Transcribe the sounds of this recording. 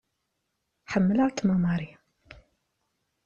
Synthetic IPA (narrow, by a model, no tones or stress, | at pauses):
ħəmːələɾˤt̪mɑmɑɾi